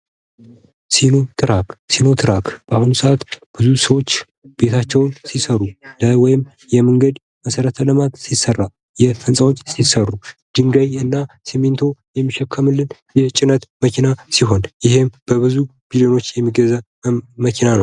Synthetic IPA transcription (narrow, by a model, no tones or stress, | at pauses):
sinot̪ʰʼɨɾakʼsino̞t̪ʰʼɨɾakʼb̥ahunsəʔat̪b̥ɨzusəwot͡ʃː | b̥e̞t̪ʰat͡ʃːɛwnsisəɾulawɔjɪm | jɛməŋɡəd̪ | məsəɾət̪ʰələmat̪sisərːa | jɛfɨnsʼawo̞t͡ʃːsisərːud̪̥ɨŋɡajɨnːa | sement̪ʰo̞jɛmːiʃɛkʰːəmɨlːɨn | jɛt͡ʃʼɪnət̪məkʰinasiɦo̞njɪhemb̥əβɨzu | b̥ilio̞no̞t͡ʃːjɛmːiɡəza | məkʰinanəw